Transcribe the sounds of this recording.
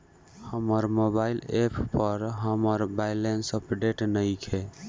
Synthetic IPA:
həməɾmobailepʰpəɾɦəməɾbajlensəpɖeʈnəjkʰe

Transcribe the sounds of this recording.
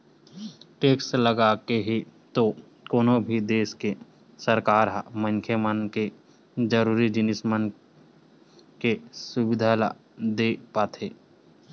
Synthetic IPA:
ʈeːksləɡakeɦit̪o | koːnobʱid̪eːske | səɾkaːɾɦamə̃ŋkʰjemənke | d͡ʒəɾuːɾid͡ʒɪnɪsmən | kesʊbɪd̪ʱala | d̪epaːt̪ʰeː

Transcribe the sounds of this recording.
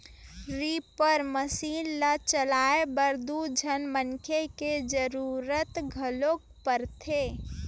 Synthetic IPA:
ɾipəɾməsiːnlat͡ʃəlaebəɾd̪ud͡ʒʱənmənkʰeked͡ʒəɾuɾət̪ɡʱəlok̚ | pəɾt̪ʰe

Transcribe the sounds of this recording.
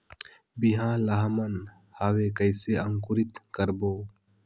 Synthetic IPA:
biɦãːlaɦmən | haːwekəjseəŋkʊɾɪt̪kəɾboː

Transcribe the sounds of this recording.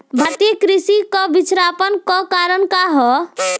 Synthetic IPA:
bʱat̪ekɾisikɔbit͡ʃɾapənkɔkaɾənkaɦɔ

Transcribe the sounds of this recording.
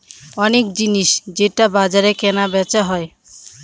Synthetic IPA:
ɔnekd͡ʑiniʃd͡ʑeʈabad͡ʑaɾekɛnabɛt͡ɕaɦɔe

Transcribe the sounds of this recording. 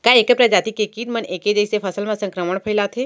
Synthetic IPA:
kaeːkepɾɐd͡ʒaːt̪ikekit̪məneːked͡ʒəjsepʰɐsəlmãsə̃ŋkɾəməɳpʰəilat̪ʰe

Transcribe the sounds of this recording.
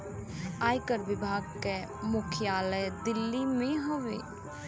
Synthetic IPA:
aːjkəɾʋɪbʱaːɡ̚ke | mʊkʰjaːləjd̪ɪlːimẽɦoʋḛː

